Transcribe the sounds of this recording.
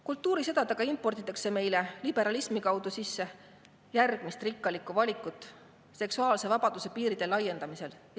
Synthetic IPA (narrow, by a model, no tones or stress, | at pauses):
kult̪ˑːuːɾised̪̥ɑd̪ɑɡ̥ɑimpːo̞rt̪it̪ːˑɑkse̞me̞jle̞lib̥e̞ɾɑlismikɑwd̪̥usisːe̞ | jærɡ̥mist̪rikˑːɑlikːˑuvɑlʲikːˑut̪ːˑ | se̞ksuɑːlse̞vɑb̥ɑd̪̥use̞piːɾid̪̥e̞lːɑjːe̞nd̪ɑmise̞l